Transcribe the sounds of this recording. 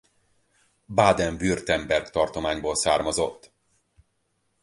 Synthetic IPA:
baːd̪ɛɱvyrt̪ɛmbɛrkt̪ɒrt̪o̞maːɲboːlsaːrmɒzo̞t̪ː

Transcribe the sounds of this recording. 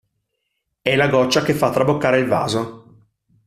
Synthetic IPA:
ɛlaɡɔt͡ʃːakefːat̪ːɾabokːaːɾeilva̰ːzo

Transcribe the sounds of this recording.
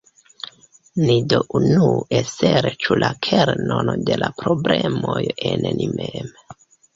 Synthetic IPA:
nidoʔunueseɾet͡ʃulʔakʰeɾnonode̞lapɾoblemo̞jennimem

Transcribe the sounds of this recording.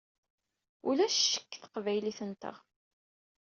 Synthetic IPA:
ulæʃʃə̥kːθə̥qvæjliθənt̪ə̰ʁ

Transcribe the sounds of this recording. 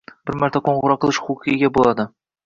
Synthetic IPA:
b̥ɪɾmæɾt̪ʰaqʰoɴʁɤɾɑqʰəlˠɨʃχuqʰijɪɡʲabolˠɑd̪ɪ

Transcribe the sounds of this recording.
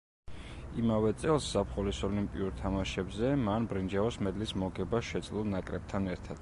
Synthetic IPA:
imavɛt̪sʼɛlˠsz̥apχɔlisɔlimpʼiuɾt̪ʰamaʃɛbzɛmanbɾind͡ʒaɔsmɛd̪lismɔɡɛbaʃɛt̪sʼlunakʼɾɛb̚t̪ʰanɛɾt̪ʰad̪̥

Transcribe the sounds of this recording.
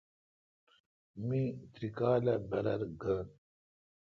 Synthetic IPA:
mĩt̪ɾikaːlɐbɐɾɐɾɡan

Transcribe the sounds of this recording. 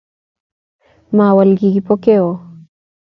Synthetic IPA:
mawalɡiɡipokeo

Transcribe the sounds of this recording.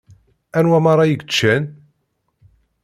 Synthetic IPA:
ænwæmɑɾˤɑjəɡət͡ʃːæn

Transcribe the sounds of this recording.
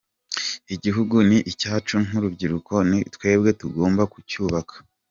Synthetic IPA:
iɟiɦuɡuniʔicaːt͡ʃuŋ̥uɾubɟiɾuko̞nitwe̞ːb̚ɡe̞tuɡo̞ːmbakucuːβakʰḁ

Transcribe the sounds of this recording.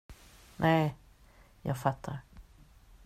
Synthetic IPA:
nʔɛɪ | jɑ̰ːɡfat̪ʰːaɾ

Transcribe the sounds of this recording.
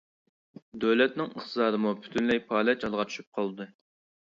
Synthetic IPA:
d̪øwlɛt̪̚nɪŋəχt̪ʰɨzɑːɾɨmupʰy̥t̪ʰynlɛjpʰɑːlɛt͡ʃɑlˠʁɑt͡ʃ̪ʰy̥ʃy̥p̚qʰɑlˠd̪ɨ

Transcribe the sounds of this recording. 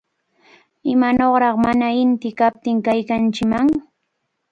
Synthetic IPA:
ɪmanoχɾɑχmanaɪnt̪ɪkap̚t̪ɪŋkajkant͡ʃɪmaŋ

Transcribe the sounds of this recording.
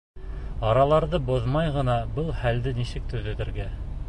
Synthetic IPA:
ɑɾɑlˠɑɾðɤboðmɑjʁɤ̆nɑbɤlˠχæld̪ɘnisɘk̚t̪ɵ̆ðɘ̆ðɘ̆ɾɡæ

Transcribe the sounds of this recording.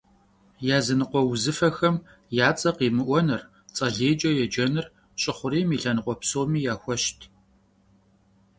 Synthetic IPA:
jaːzɨnɨqʷɔwzɨfɐxɐm | jaːt͡sʼɐqiːmɨʔʷɔnɐr | t͡sʼɐɮeːd͡ʒʼɐjɛd͡ʒɐnɨr | ɕʼɪχʷʊɾiːmiːɬɐnɨqʷɔpsoːmiːjaːxʷɔʃtʰ

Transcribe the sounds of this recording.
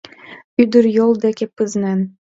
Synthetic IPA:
yd̪ɘ̆ɾjolˠd̪ækʲæpːɘ̆znæn

